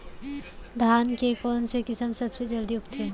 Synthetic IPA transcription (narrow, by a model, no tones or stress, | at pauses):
d̪ʱaːnkekɔːnsekɪsəmsɐbsed͡ʒɐld̪ijukt̪ʰe